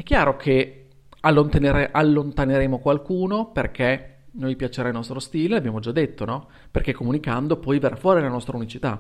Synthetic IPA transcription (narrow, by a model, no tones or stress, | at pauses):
ɛkːjaːɾokʰe | alːont̪eneɾeʔalːont̪aneɾeːmokwalkuːnoperkʰenojpjat͡ʃeɾailnɔst̪ɾost̪iːlelabjaːmod͡ʒad̪ːet̪ːonɔ | perkɛkːomunikand̪opɔjveɾfwɔːɾilanɔst̪ɾaunit͡ʃit̪a